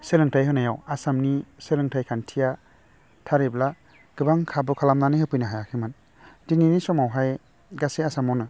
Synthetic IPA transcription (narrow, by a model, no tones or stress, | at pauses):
selɯŋtʰajɦɯnajawasamniselɯŋtʰajkʰantʰija | tʰaɾibla | ɡ̥ɯbaŋkʰabɯkʰalamnanɯhɯpʰɯjnaɦajakʰiman | dininisɔmawɦaj | ɡaseasamawnɯ